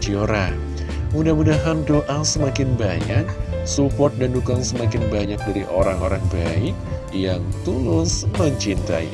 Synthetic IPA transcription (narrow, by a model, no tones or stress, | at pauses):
d͡ʒioɾa | mudahmudaɦandoʔasəmakɪnbaɲak̚supɔrt̪̚dandukaŋsəmakɪnbaɲak̚daɾiʔoɾaŋo̰ɾaŋbaɪk̚ | jaŋt̪ulʊsməɲt͡ʃint̪a̰ḭ